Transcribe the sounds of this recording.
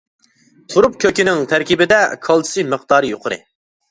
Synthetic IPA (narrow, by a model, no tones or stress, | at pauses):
t̪ʰuɾup̚kʲʰøkʲinɪŋt̪ʰæɾkʲibɪd̪ɛkʰɑlˠtʰɨ̥sɨmɨq̚d̪ɑːɾɨjoqʰəɾɨ̰